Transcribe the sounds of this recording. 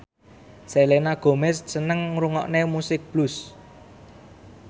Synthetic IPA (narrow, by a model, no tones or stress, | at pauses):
selenaɡ̥o̤mɛssənəŋɾuŋɔ̰ʔnemusɪk̚b̥lus